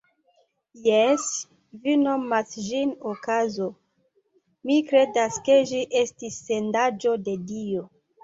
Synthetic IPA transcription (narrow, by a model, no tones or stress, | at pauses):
jes | vino̞masʒinokazo̞ | mikɾe̞daske̞ʒiʔe̞stisːendad͡ʒo̞de̞dio